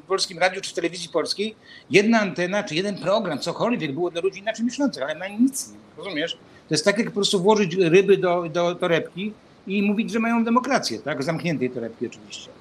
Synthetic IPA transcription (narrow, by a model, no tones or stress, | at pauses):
fpɔlskʲimɾad̪jut͡ʂɘ̥ft̪ɛlɛvʲizjipɔlskʲejjɛd̪naːnt̪ɛnat͡ʂɘjɛd̪ɛnpɾɔɡɾamt̪sɔkɔlvʲjɛɡ̚bɘwɔd̪lalud͡ʑinat͡ʂɛjmʲɪɕlɔnt̪saxalɛmaɲit̪sɲɛɾɔzumʲjɛʂ | t̪ɔjɛst̪t̪ːakʲjak̚pɔpɾɔst̪uvwɔʐɘt͡ɕɾɘbɘd̪ɔd̪ɔt̪ɔɾɛpkʲiː | muvʲid͡ʑʐɛmajɔ̃w̃d̪ɛmɔkɾat̪sʲjɛt̪aɡzamkɲɛnt̪ɛjt̪ɔɾɛp̚kʲiɔt͡ʂɘvʲiɕt͡ɕɛ